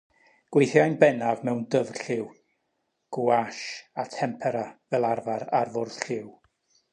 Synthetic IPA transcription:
ɡ̥wejθjajnbɛnavmɛwndəvɬɪw | ɡ̥uaʃatʰɛmpʰɛɾavɛlˠarvaɾarvʊrðɬɪw

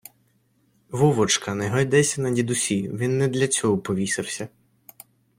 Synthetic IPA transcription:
ʋuʋɔt͡ʃkɐnɛɦɔjd̪ɛsʲɐnɐdʲid̪ʊsʲiʋʲinːɛd̪lʲɐt͡sʲɔɦɔpɔʋʲisɐwsʲɐ

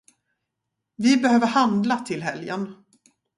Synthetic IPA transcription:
vɪbɛhøːvəɾhand̪lat̪ʰɪlɦɛljə̰n

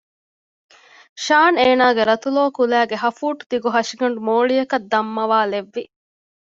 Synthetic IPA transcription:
ʃaːneːnaːɡeɾɐt̪uloːkulæːɡeɦɐfuːʈu̥d̪iɡuɦɐʂiɡɐɳ̆ɖumoːɭijɐkɐd̪ːɐmːɐʋaːleʋːi

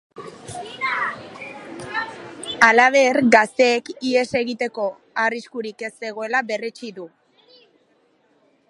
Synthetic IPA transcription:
alaβ̞e̞ɾɡast̪e̞ːkie̞se̞ɣit̪e̞ko̞ | ariskuɾike̞se̞ɣ̞o̞e̞laβe̞re̞t͡ʃiðu

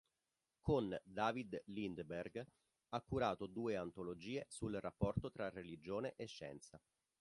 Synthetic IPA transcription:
kond̪aːvid̪lind̪berɡ | akːuɾaːt̪od̪uːeant̪olod͡ʒiːesulrapːɔrt̪ot̪ɾarelid͡ʒoːneʔeʃːɛ̰nt̪sa

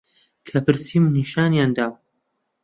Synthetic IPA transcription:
kʰɐpɨɾsiːmniʃaːnjaːnd̪aːw

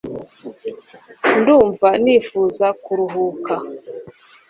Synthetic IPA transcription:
nduːɱvanifuːzakuɾuɦuka

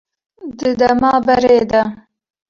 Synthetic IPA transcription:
d̪ɨd̪ɐmɑːbɐɾeːd̪ɐ

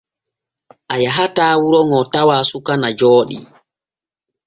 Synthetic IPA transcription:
ʔajaɦataːwuɾɔŋɔtawaːsukanad͡ʒɔːɗḭ

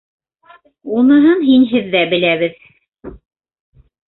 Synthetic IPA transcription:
unɤ̆ɦɤnɦinɦɘðːæbɘ̆læβɘð

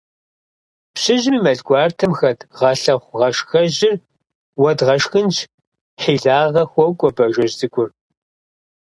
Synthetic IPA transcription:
pɕɪʑmiːmɐɮɡʷʼɑːrtʰɐmxɐdʰʁɐɬɐχʷʁɐʂxɐʑɪr | wɐdʁɐʂxɨnt͡ʃʰ | ħiːɮaːʁɐxʷɔwkʷʼɔbɐʒɐʑzɨkʷʼʊr

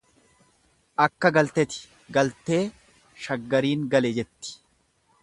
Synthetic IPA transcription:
ʔɐkːɐɡɐlt̪ɛt̪ɪ̥ | ɡɐlt̪e̞ː | ʃɐɡːɐɾiːŋɡɐled͡ʒɛt̪ːɪ̥

